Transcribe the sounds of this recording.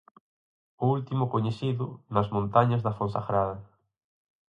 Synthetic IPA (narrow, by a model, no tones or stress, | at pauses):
ʊult̪imʊkoɲeθiðʊnɐzmõnt̪aɲɐzðɐfõnsaɣɾaðɐ